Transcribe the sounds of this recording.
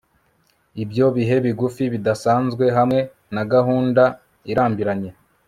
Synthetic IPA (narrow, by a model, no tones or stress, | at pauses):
ibjo̞βiɦe̞βiɡufiβidasaːnzɡwe̞ɦamŋe̞ | naɡaɦuːnda | iɾaːmbiɾaɲe̞